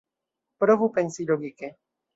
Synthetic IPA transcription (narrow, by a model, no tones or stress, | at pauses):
pɾovupɛnsiloɡikɪ